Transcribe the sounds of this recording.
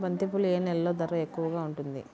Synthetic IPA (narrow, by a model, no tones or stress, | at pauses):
bɐnt̪ipulueːnɛlɐlo̞ːd̪ɐɾɐekːuʋɐɡaːuɳʈund̪ḭ